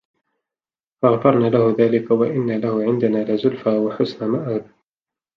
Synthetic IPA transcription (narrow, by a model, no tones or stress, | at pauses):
faɣfɑɾˤnaːlahʊðaːlɪkawaʔɪnːalahʊʕɪnd̪anaːlazʊlfaːwaħʊsnamaʔaːd̪